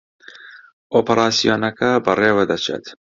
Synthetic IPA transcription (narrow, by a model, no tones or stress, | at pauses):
ʔoːpɐɾaːsijoːnɐkɐbɐreːwɐd̪ɐt͡ʃʰḛt̪